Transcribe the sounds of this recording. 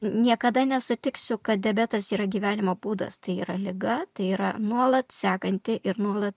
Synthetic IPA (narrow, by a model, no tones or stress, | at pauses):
nʲiɛkɐd̪ɐnʲɛsʊt̪ʲɪksʲʊkɐt̪̚d̪ʲɛbʲæt̪ɐsiːɾɐɡʲiːʋʲæːnʲɪmoːbuːd̪ɐ̰st̪ɐɪiːɾɐlʲɪɡɐt̪ɐɪiːɾɐnuɔlˠɐt̪sʲæːkɐnʲt̪ʲɪʔɪɾnuɔlˠɐt̪